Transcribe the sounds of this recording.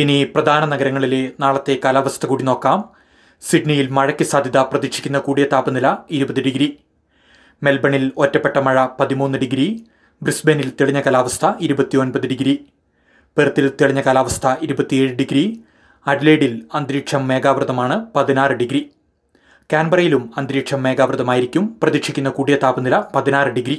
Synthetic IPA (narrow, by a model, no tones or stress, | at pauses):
iniprɐd̪ʱaːnɐnɐɡɐɾɐŋːɐɭilenaːɭɐt̪ːe̞kaːlaːʋɐst̪ʰɐkuːɽino̞ːkːaːm | siɖnijilmɐɻɐkʲːisaːd̪ʱjɐðɐprɐðikʂikʲːunːɐkuːɽijɐt̪aːpɐnilɐiɾubɐðiɖiɡɾi | me̞lbɐɳilo̞tːɐpːe̞ʈːɐmɐɻɐpɐðimuːnːɨɖiɡɾi | brisbenilt̪iɭiɲːɐkaːlaːʋɐst̪ʰɐiɾubɐt̪ːio̞nbɐðiɖiɡɾi | perɨt̪ːilt̪iɭiɲːɐkaːlaːʋɐst̪ʰɐʔiɾubɐt̪ːie̞ːɻɨɖiɡɾi | ɐɾileːɽilɐnd̪ɾiːkʂɐmːe̞ːɡaːʋrɨðɐmaːɳɨpɐðinaːrɨɖiɡɾi | kaːnbɐrɐjilumɐnd̪ɾiːkʂɐmːe̞ːɡaːʋrɨðɐmaːjiɾikʲːumprɐðikʂikʲːunːɐkuːɽijɐt̪aːbɐnilɐpɐðinaːrɨɖiɡɾi